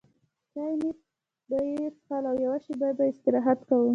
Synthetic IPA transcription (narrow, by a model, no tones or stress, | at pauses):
t̪ajni | d̪əjet͡sxɑlawjawaʃibajad̪baɪst̪ɪɾɑɦat̪kawu